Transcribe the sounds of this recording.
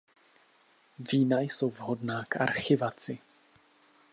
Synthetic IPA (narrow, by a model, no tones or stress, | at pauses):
viːnajso̞wvɦo̞dnaːkʔa̰ɾxɪvat͡sɪ